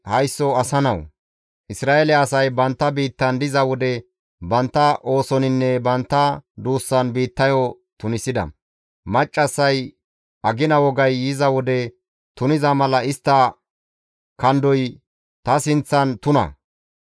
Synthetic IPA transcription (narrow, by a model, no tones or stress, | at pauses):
hɐjsːɔɐsɐnɐw | ʔɪsɾaːelɛɐsɐjbɐnt̪ːɐbiːt̪ːɐnd̪ɪzɐwɔd̪ɛ | bɐnt̪ːɐʔo̞ːsɔnɪnːɛbɐnt̪ːɐd̪uːsːɐnbiːt̪ːɐjɔ | t̪ʊnɪsɪd̪ɐ̰ | mɐt͡ʃʼːɐsːɐj | ʔɐɡɪnɐwɔɡɐjːɪzɐwɔd̪ɛ | t̪ʊnɪzɐmɐlɐɪst̪ːɐ | kɐnd̪ɔj | t̪ɐsɪnt͡sːɐnt̪ʊnɐ̰